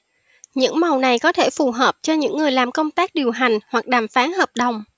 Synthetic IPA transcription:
ɲɨ̰˧˥ŋma˨˩wna˨˩jkɔ˨˦t̪ʰe˧˩fu˨˩ɦəː˨˩p̚t͡ɕɔ˧ɲɨ̰˧˥ŋːɨ˨˩əjlaː˨˩mkə˧wŋ͡mt̪aː˦˥k̚ɗi˨˩əwɦa˨˩jŋ̟hwa˨˩k̚ɗaː˨˩mfaː˨˦nɦəː˨˩p̚ɗə˨˩wŋ͡m

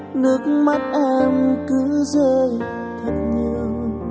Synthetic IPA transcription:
nɨ˦˥ək̚ma˦˥t̚ʔɛ˧mkɨ˨˧˦zəː˧j | t̪ʰə˨˩t̚ɲi˧əw

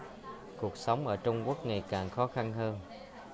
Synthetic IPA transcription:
ku˨˩ək̚sə˨˦wŋ͡mʔəː˧˩t͡ɕʊ˧ŋ͡mku˦˥ək̚ŋa˨˩jkaː˨˩ŋxɔ˨˦xa˧nhəː˧n

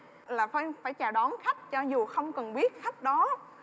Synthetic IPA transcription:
laː˨˩fə˧faː˧˩jt͡ɕaː˨˩ɗɔ˨˦nxa˦˥jk̟̚t͡ɕɔ˧zu˨˩xə˧wŋ͡mkə˨˩nɓi˦˥ət̚xa˦˥jk̟̚ɗɔ˨˦

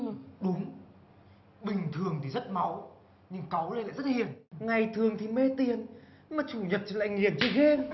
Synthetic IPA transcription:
ɗʊ˨˦ŋ͡m | ɓï˨˩ŋ̟t̪ʰɨ˨˩əŋt̪ʰi˨˩zə˦˥t̚ma˨˦w | ɲɨ˧ŋka˨˦wle˧na̰ː˧˨jzə˦˥t̚hi˧˨˩ənŋa˨˩jt̪ʰɨ˨˩əŋt̪ʰi˨˩me˧t̪i˨˩ən | maː˨˩t͡ɕu˧˩ɲə˨˩t̚t͡ɕi˧˩la̰ː˧˨jŋi˧˩ənt͡ɕi˧ɣe˧m

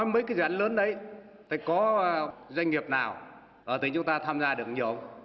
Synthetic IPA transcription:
ɔ˨˦jməː˨˦jkaː˨˦zːʔŋləː˨˦nɗə˨˦j | t̪ʰaː˨˧˩jkɔ˨˦zwa˧jŋ̟ŋi˨˩əp̚naː˨˩w | ʔəː˧˩t̪ï˨˦ŋ̟t͡ɕʊ˨˦ŋ͡mt̪aː˧t̪ʰaː˧mzaː˧ɗɨ˨˩ək̚ɲi˨˩ʔə˧wŋ͡m

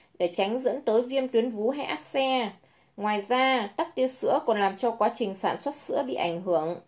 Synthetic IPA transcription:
ɗe˧˩t͡ɕa˨˦jŋ̟zə̰˧˥nt̪əː˨˦jvi˧əmt̪wi˨˦ənvu˨˦ɦa˧ʔaː˦˥p̚sɛ˧ | ŋwaː˨˩jzaː˧t̪a˦˥k̚t̪i˧əsɨ̰˧˥əkɔ˨˩nlaː˨˩mt͡ɕɔ˧kwaː˨˦t͡ɕï˨˩ŋ̟saː˧˩nswə˦˥t̚sɨ̰˧˥əɓḭ˧˨ʔa˧˩ŋ̟ɦɨ˧˩əŋ

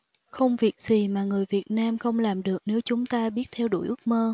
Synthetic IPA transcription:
xə˧wŋ͡mvi˨˩ət̚z̥i˨˩maː˨˩ŋɨ˨˩əjvi˨˩ət̚naː˧mxə˧wŋ͡mlaː˨˩mɗɨ˨˩ək̚ne˨˦wt͡ɕʊ˨˦ŋ͡mt̪aː˧ɓi˦˥ət̚t̪ʰɛ˧wɗṵ˧˩jʔɨ˦˥k̚məː˧

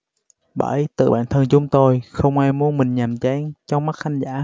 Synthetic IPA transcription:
ɓə̰˧˩jt̪ɨ̰˧˨˩ɓa̰ː˧˨nt̪ʰə˧nt͡ɕʊ˨˦ŋ͡mt̪o˧jxə˧wŋ͡mʔaː˧jmu˧ənmï˨˩ŋ̟ɲa˨˩mt͡ɕa˧ŋt͡ɕɔ˧wŋ͡mma˦˥t̚xa˧ŋ̟zaː˧˩

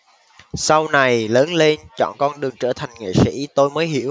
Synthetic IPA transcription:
sa˧wna˨˩jləː˨˦nle˧nt͡ɕɔ̰˧˨nkɔ˧nɗɨ˨˩əŋt͡ɕəː˧˩t̪ʰa˨˩jŋ̟ŋḭ˧˨sḭ˧˥t̪o˧jməː˨˦jɦi˧˩əw

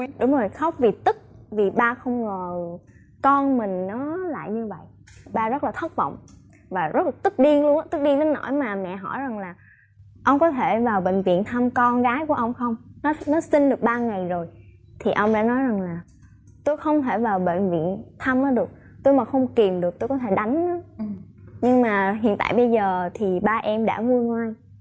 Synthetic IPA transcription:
ɗʊ˨˦ŋ͡mzo˨˩jxə˦˥wk͡p̚vi˨˩t̪ɨ˦˥k̚vi˨˩ɓaː˧xə˧wŋ͡mŋo˨˩j | kɔ˧nmï˨˩ŋ̟nɔ˨˦la̰ː˧˨jɲɨ˧və̰˧˨jʔ | ɓaː˧zə˦˥t̚laː˨˩t̪ʰə˦˥tk͡p̚vɔ̰˧˨wŋ͡m | vaː˨˩zə˦˥la˨˩t̪ɨ˦˥k̚ɗi˧əŋlu˧ən˦t̪ɨ˦˥k̚ɗi˧ŋt̪e˨˦no̰˧˩jmaː˨˩mɛ̰˧˨ɦɔ̰˧˩jza˨˩ŋlaː˨˩ | ʔə˧wŋ͡mkɔ˨˦t̪ʰe˧˩vaː˨˩wɓḛ˧˨ŋ̟vḭ˧˨ənt̪ʰa˧mkɔ˧nɣaː˨˦jku˧˩əʔə˧wŋ͡mxə˧wŋ͡mnɔ˨˦nɔ˨˦si˧nɗɨ˨˩ək̚ɓaː˧ŋa˨˩jzo˨˩j | t̪ʰi˨˩ʔə˧wŋ͡mɗa̰ː˧˥nɔ˨˦jza˨˩ŋlaː˨˩ | t̪o˧jxə˧wŋ͡mt̪ʰe˧˩vaː˨˩wɓḛ˧˨ŋ̟vḭ˧˨ənt̪ʰa˧mʔəː˨˦ɗɨ˨˩ək̚ | t̪o˧jmaː˨˩xə˧wŋ͡mki˨˩mɗɨ˨˩ək̚t̪o˧kɔ˨˦t̪ʰe˧˩ɗa˨˦jŋ̟na˨˦ | ɲɨ˧ŋmaː˨˩ɦḭ˧˨ənt̪a̰ː˧˨jɓə˧jzəː˨˩t̪ʰi˨˩ɓaː˧ʔɛ˧mɗa̰ː˧˥ŋu˧ənŋwaː˧j

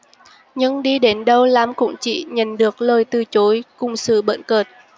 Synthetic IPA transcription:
ɲɨ˧ŋɗi˧ɗe˨˦nɗə˧wla˨˦mkʊ̰˧˥ŋ͡mt͡ɕḭ˧˨ɲə̰˧˨˩nɗɨ˨˩ək̚ləː˨˩jt̪ɨ˨˩t͡ɕo˨˦jkʊ˨˧˩ŋ͡msɨ̰˧˩ɓə̰˧˨nkəː˨˩t̚

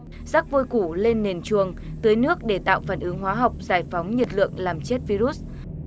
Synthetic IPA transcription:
za˦˥k̚vo˧jku˧˩le˧nːe˨˩nt͡ɕɨ˨˩əŋt̪əː˨˦jnɨ˦˥ək̚ɗe˧˩t̪a̰ː˧˨wfaː˧˩nʔɨ˨˦ŋɦwaː˨˦ɦa˨˩wk͡p̚zaː˧˩jfa˨˦wŋ͡mɲə˨˩t̚lɨ̰˧˨əŋlaː˨˩mt͡ɕe˦˥t̚vi˧ɾu˦˥t̚

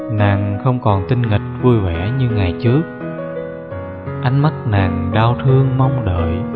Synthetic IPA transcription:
naː˨˩ŋxə˧wŋ͡mkɔ˨˩nt̪ï˧ŋŋï˨˩k̟̚vu˧jvwɛ̰˧˥ɲɨ˧ŋa˨˩jt͡ɕɨ˦˥ək̚ | ʔa˧˦jŋ̟ma˦˥k̚naː˨˩ŋɗaː˧wt̪ʰɨ˧əŋma˧wŋ͡mɗə̰ː˧˨j

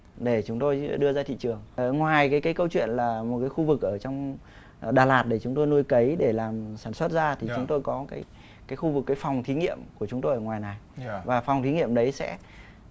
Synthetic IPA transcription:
ɗe˧˩t͡ɕʊ˨˦ŋ͡mt̪o˧jɗɨ˧əzaː˧t̪ʰḭ˧˨t͡ɕɨ˨˩əŋŋwaː˨˩jkaː˨˦jkaː˨˦jkə˧wt͡ɕwḭ˧˨ənlaː˨˩mo˨˩t̚kaː˨˦jxu˧vɨ˨˩k̚ʔəː˧˩t͡ɕɔ˧wŋ͡m | ɗaː˨˩laː˨˩t̚ɗe˧˩t͡ɕʊ˨˦ŋ͡mt̪o˧jnu˧jkə˨˦jɗe˧˩laː˨˩msaː˧˩nswə˦˥t̚zaː˧t̪ʰi˨˩t͡ɕʊ˨˦ŋ͡mt̪o˧jkɔ˨˦kaː˨˦j | kaː˨˦jxu˧vkːaː˨˦jfa˨˩wŋ͡mt̪ʰi˨˦ŋḭ˧˨əmku˧˩ət͡ɕʊ˨˦ŋ͡mt̪o˧jʔəː˧˩ŋwaː˨˩jna˨˩jvaː˨˩fɔ˨˩wŋ͡mt̪ʰi˨˦ŋḭ˧˨əmɗə˨˦jsɛ̰˧˥

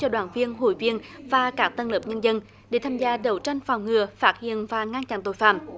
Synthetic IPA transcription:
t͡ɕɔ˧ɗwaː˧˩nvi˧ənɦo̰˧˩jvi˧ənvaː˨˩kaː˦˥k̚t̪ə˧nləː˨˩p̚ɲə˧nzə˧n | ɗe˧˩t̪ʰaː˧mzaː˧ɗə˨˩wt͡ɕa˧jŋ̟faː˨˩wŋ͡mŋɨ˨˩əfaː˦˥t̚hḭ˧˨ənvaː˨˩ŋa˧nt͡ɕa̰˧˩nt̪o˧˨jfa̰ː˧˩˨m

